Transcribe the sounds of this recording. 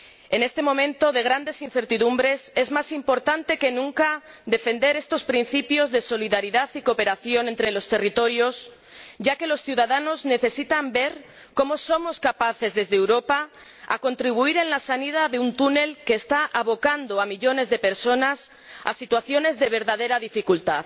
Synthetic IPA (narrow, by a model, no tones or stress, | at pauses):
e̞ne̞st̪e̞mõ̞mẽ̞nt̪o̞ðe̞ɣ̞ɾand̪e̞sinθe̞ɾt̪iðumbɾe̞se̞zmasimpo̞ɾt̪ant̪e̞ke̞nũŋkaðe̞fe̞nd̪e̞ɾe̞st̪o̞spɾin̟θipjo̞zðe̞so̞liðaɾiðaθiko̞pe̞ɾaθjo̞nent̪ɾe̞lo̞st̪e̞rit̪o̞ɾjo̞s | ɟ͡ʝake̞lo̞sθjuðaðano̞zne̞θe̞sit̪ambe̞ɾ | ko̞mo̞so̞mo̞skapaθe̞zðe̞zðeewɾo̞pa | a̰ko̞nt̪ɾiβ̞uiɾe̞nlasanið̞aðeunt̪une̞lke̞ːst̪aʔaβo̞kand̪o̞amiʎo̞ne̞zðe̞pe̞ɾso̞nas | a̰sit̪waθjo̞ne̞zðe̞β̞e̞ɾðaðe̞ɾaðifikult̪að